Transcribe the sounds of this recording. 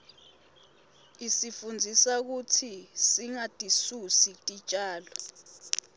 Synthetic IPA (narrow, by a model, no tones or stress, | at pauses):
isifund͡zʱisak̬utʰisiŋatʼisusitʼit͡ʃʼaːlɔ